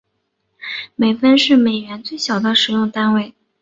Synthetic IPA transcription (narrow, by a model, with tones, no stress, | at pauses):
me˨˩ɪfə˥nʂɻ̩˥˩me˨˩ɪɥɛ˧˥nt͡swe˥˩ɪɕjɑ˨˩ʊd̪ə˦ʂɻ̩˨˩jʊ˥˧ŋt̪a˥nwe˥˩ɪ